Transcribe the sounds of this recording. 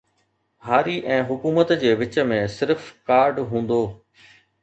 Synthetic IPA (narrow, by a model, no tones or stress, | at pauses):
ɦaːɾiʔɛ̃ːɦʊkuːmət̪d͡ʑeːʋɪt͡ɕə̆mẽsɪɾfkaːɾɖɦũːn̆d̪oː